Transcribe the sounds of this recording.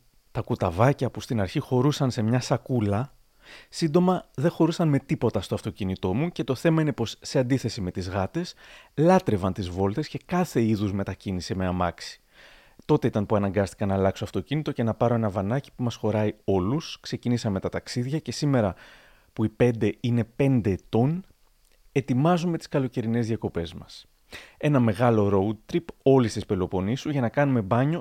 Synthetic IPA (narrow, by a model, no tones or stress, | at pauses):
t̪ɐkut̪ɐvɐcɐpust̪inɐɾçixo̞ɾusɐnse̞mɲɐsɐkulɐ | sind̪o̞mɐðe̞xo̞ɾusɐnme̞t̪ipo̞t̪ɐst̪o̞ɐft̪o̞cinit̪o̞muce̞t̪o̞θe̞mɐinepo̞sːe̞ɐnd̪iθe̞sime̞t̪izɣɐt̪e̞slɐt̪ɾe̞vɐnt̪izvo̞lt̪e̞sce̞kɐθe̞iðuzme̞t̪ɐcinisemeɐmɐksi̥ | t̪o̞t̪e̞it̪ɐnpuɐnɐŋɡɐst̪i̥kɐnɐːlɐksoɐft̪o̞cinit̪o̞ce̞nɐpɐɾo̞e̞nɐvɐnɐci̥pumɐsxo̞ɾɐio̞luskse̞cinisɐme̞t̪ɐt̪ɐksiðʝɐce̞sime̞ɾɐ | puipe̞nd̪e̞ine̞pe̞nd̪e̞ːt̪o̞n | e̞t̪imɐzume̞t̪i̥skɐlo̞ce̞ɾine̞zðijɐko̞pe̞zmɐs | e̞nɐme̞ɣɐlo̞ɾo̞ut̪ɾipo̞list̪ispelo̞po̞nisuʝɐnɐkɐnume̞bɐɲo̞